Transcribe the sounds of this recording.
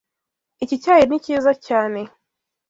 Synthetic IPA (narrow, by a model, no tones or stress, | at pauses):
ecicaːjeniciːzacaːne